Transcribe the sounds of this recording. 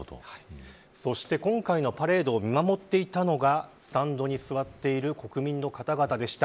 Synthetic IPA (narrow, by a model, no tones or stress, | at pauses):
so̞ɕi̥t̪e̞kõ̞ŋkaino̞paɾe̞ːd̪o̞ːmʲimamo̞t̪ːe̞it̪ano̞ɡasɨ̥t̪ãnd̪o̞ɲ̟isɨβat̪ːe̞iɾɯ̟ko̞kɯ̟mʲĩnːo̞kat̪aɡat̪ad̪e̞ɕi̥t̪a